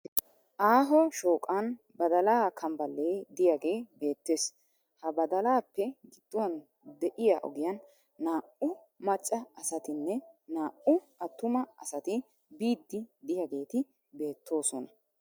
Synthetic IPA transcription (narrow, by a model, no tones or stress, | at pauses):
ʔaːɦɔʃo̞ːkʼan | bɐd̪ɐlaːkʰɐmbɐlːeːd̪ɪjaɡe̞ːbe̞ːt̪ːe̞ːs | hɐbɐd̪ɐlaːpːɛɡɪd̪̥ːʊwɐn | d̪ɛʔɪjaʔɔ̰ɡɪjɐnː | aːʔʊ | mɐt͡ʃʼːɐɐsɐt̪ɪnːɛnaːʔʊ | ɐt̪ːʊmɐɐsɐt̪ɪ | biːd̪ːɪd̪ɪjaɡe̞ːt̪ɪ | be̞ːt̪ːo̞ːsɔnɐ